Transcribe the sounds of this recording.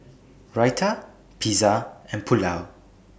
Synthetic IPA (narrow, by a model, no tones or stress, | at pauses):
ɹajtʰə | pʰizaɛ̃npʰulaw